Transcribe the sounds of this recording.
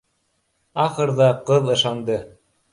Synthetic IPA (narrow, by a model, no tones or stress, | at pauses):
ɑχɤ̆ɾðɑqɤðɤ̆ʃɑnd̪ɤ